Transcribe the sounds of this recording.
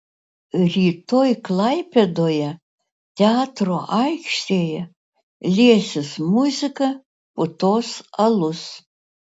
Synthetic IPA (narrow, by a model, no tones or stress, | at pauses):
ɾʲiːt̪oːjklˠɑɪpʲed̪oːjɛ | t̪ʲɛɑːt̪ɾoːʔɑɪkʃʲt̪ʲeːjɛ | lʲiɛsʲɪsmʊzʲɪkɐ | pʊt̪oːsɐlˠʊs